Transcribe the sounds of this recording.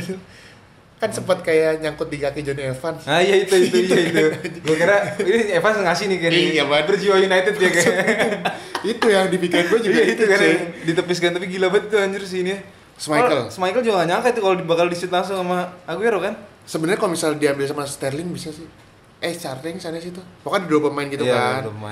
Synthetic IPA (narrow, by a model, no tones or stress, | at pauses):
kansəmpat̪̚kajaɲaŋkʊt̪̚diɡakid͡ʒoniefansajait̪uit̪ujait̪uɡuakaɾainiefansŋasɪhnɪkajajabapərd͡ʒiojunajt̪ɛd̪jakaja | it̪ujaŋdipikɪrɡuad͡ʒuɡait̪ukaadit̪əpɪs̬kant̪apiɡilabat̪it̪ulaɲd͡ʒʊrs̬inia | səmaikəlsəmajkəld͡ʒuɡaŋaɲakait̪ukalodibakaldisɪt̪laŋs̬ʊŋsamaaɡujaɾokan | səbənərɲakalomisaldiambɪlsamast̪arlɪŋbisasɪh | ɛt͡ʃarɪŋsaɲas̬it̪umakandidobamaɪnɡit̪ujakant̪uma̰n